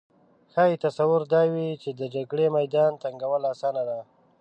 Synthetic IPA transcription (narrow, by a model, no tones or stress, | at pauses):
xɑjit̪asawʊɾd̪ɑwit͡ʃed̪əd͡ʒaɡɽemajd̪ɑnt̪aŋɡawəlasɑːnad̪a